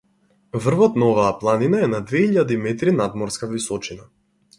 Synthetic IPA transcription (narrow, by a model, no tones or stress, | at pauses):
vr̩vɔt̪naɔvaːplˠaninaɛnad̪vɛiʎad̪imɛt̪ɾinad̪mɔɾskavisɔt͡ʃina